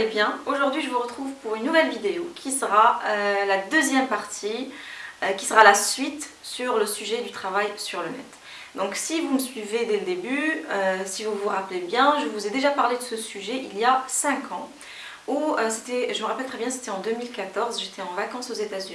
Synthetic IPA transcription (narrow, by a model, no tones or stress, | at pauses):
ebjɛ̃oʒuʁd̪ɥiʒəvuʁət̪χuvpuʁynːuvɛlvid̪eokʲʰisəʁaølad̪øzjɛmpaʁt̪ʰi | kʲi̥səʁalasɥit̪ | syʁləsyʒɛd̪yt̪χavajsyʁlənɛ̰t̪ | d̪ɔ̃ksivuməsɥived̪eləd̪ebyøsivuvuʁaplebjɛ̃ʒəvuzed̪eʒapaʁled̪əsəsyʒɛʔiljasɛ̃kʰɑ̃ | uøse̥t̪ɛʒəməʁapɛlt̪χɛbjɛ̃se̥t̪ɛɑ̃d̪əmilkat̪ɔʁzʒet̪ɛɑ̃vakɑ̃sozet̪azy